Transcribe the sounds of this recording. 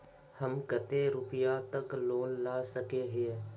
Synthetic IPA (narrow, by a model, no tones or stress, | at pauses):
həmkət̪eɾʊpɪjat̪əkloːnlaːsəkeɦe